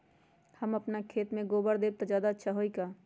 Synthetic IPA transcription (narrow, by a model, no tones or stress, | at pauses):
həməpnakʰeːt̪mẽɡoːbəɾd̪eːb̚t̪ad͡ʒjaːd̪aətːʃʰaɦoːikaː